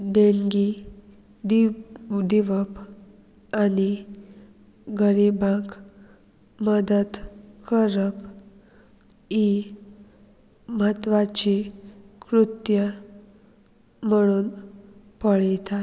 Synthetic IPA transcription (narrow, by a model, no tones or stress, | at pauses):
ɖeŋɡi | d̪iʋəp | ani | ɡəɾibãk | məd̪əd̪kəɾəp | i | mət̪ʋat͡ɕikɾut̪jə | məɽ̃uːn | pəɭɛt̪at̪